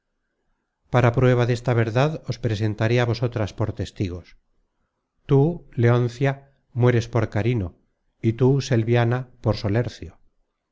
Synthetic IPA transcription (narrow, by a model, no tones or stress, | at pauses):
paɾapɾwe̞β̞aðe̞st̪aβ̞e̞ɾðaðo̞spɾe̞se̞nt̪aɾeaβo̞so̞t̪ɾaspo̞ɾt̪e̞st̪iɣ̞o̞s | t̪uleonθja | mwe̞ɾe̞spo̞ɾkaɾino̞ | it̪use̞lβjanapo̞ɾso̞leɾθjo